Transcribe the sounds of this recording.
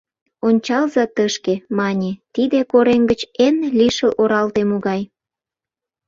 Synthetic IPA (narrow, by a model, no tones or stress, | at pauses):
onʲt͡ɕɑlzɑt̪əʃkemɑnʲet̪id̪ekoɾeŋɡət͡ɕenliʃəlʔoɾɑlt̪emoɣɑj